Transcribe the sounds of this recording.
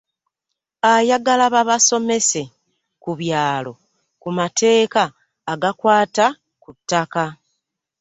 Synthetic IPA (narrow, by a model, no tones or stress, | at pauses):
ajaɡalaβaβaso̞me̞se̞ | kuβjaːlo̞ | kumatʰe̞ːkaː | ɡakwaːta | kutːaka